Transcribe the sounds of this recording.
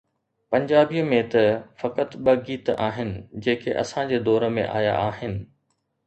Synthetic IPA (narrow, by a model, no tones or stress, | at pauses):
pɐ̃ɲd͡ʑaːbijəmẽt̪ɐfɐkət̪ɓɐɡiːt̪aːɦɪnɪ̆d͡ʑeːkʰeʔɐ̰sãd͡ʑeːd̪ɔːɾə̆mḛ̃ʔa̰ːja̰aːɦɪnɪ̆